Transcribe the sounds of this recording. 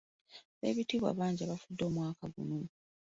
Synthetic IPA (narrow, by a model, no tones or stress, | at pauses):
βe̞̰ːβitiːβa̰ːβaːɲɟiaβafudːo̞ːmwaːkaɡuno